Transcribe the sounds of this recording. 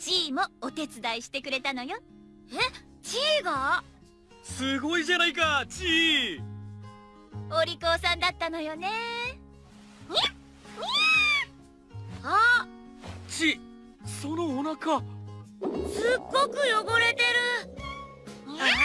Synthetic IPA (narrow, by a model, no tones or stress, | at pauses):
t͡ɕiːmo̞ːt̪e̞t͡sɨd̪aiɕi̥t̪e̞kɯ̟ɾe̞t̪ano̞jo̞ | e | t͡ɕiːɡa | sɨɡo̞iʑanaikat͡ɕiː | oɾʲiko̞ːsãnd̪at̪ːano̞jo̞ne̞ | ha | t͡ɕiː | so̞noːnaka | sɨɡːo̞kɯ̟jo̞ɡoɾe̞t̪e̞ɾɯ̟